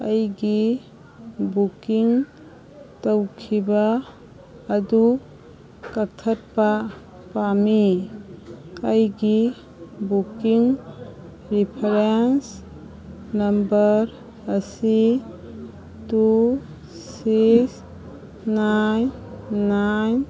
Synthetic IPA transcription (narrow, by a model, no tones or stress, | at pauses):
ajɡi | bukiŋ | tawkʰibaː | du | kətʰːət̚pa | pami | ajɡi | bukiŋ | ɾipʰaɾens | nɐmbəɾ | əsi | tu | sis | najnnajn